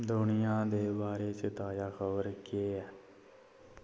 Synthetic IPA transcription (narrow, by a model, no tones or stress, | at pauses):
d̪ʊnɪjãːd̪eːbaːɾeːt͡ʃət̪aːjaːkʰəbəɾkeːɛː